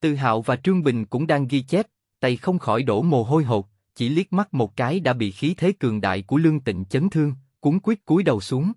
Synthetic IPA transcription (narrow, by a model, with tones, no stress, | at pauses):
t̪ɨ˧˨˩ɦa̰ː˧˨wvaː˨˩t͡ɕɨ˧əŋɓï˨˩ŋ̟kʊ̰˧˥ŋ͡mɗaː˧ŋɣi˧t͡ɕɛ˦˥t̚ | t̪a˧˩jxə˧wŋ͡mxɔ˧˩jɗo̰˧˩mo˨˩ɦo˧jɦo˨˩t̚ | t͡ɕi˧˩li˦˥ət̚ma˦˥t̚mo˨˩t̚kaː˨˦jɗa̰ː˧˥ɓḭ˧˨xi˨˦t̪ʰe˨˦kɨ˨˩əŋɗa̰ː˧˨jku˧˩əlɨ˧əŋt̪ḭ̈˧˨ŋ̟t͡ɕə˨˦nt̪ʰɨ˧əŋkʊ˨˦ŋkwi˦˥ət̚ku˨˦əjɗə˨˩wsu˨˦əŋ